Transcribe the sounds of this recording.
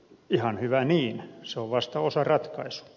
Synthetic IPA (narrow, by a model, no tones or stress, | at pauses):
ihɑnhyʋæniːnseoʋʋɑst̪ɑosɑrɑt̪kɑisu̥